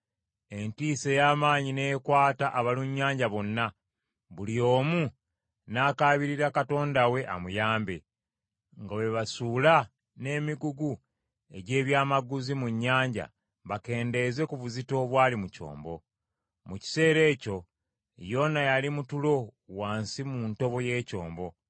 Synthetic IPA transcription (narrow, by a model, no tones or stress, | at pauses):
e̞ntiːsejaːmaːɲine̞kwaːtaʔaβaluɲːaːɲɟaβo̞nːa | βulio̞ːmu | naːkaːβiɾiɾakato̞ːndawe̞ʔa̰mujaːmbe̞̰ | ŋɡawe̞βasula | ne̞ːmiɡuɡu | e̞̰ɟe̞ːβjaːmaɡuzimuɲːaːɲɟa̰ | βake̞ːnde̞ze̞kuβuzito̞ːβwaːlimuco̞̰ːmbo̞̰ | muci̥se̞ːɾe̞ːco̞ | jo̞najalimutulo̞waːnsimunto̞βo̞je̞ːco̞̰ːmbo̞